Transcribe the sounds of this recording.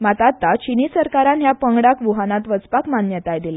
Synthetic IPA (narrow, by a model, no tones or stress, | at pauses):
mat̪at̪ːat͡ɕinisəɾkaɾanɦjapəŋɡɽakʋuɦanat̪ʋət͡spakmanjət̪ajd̪ila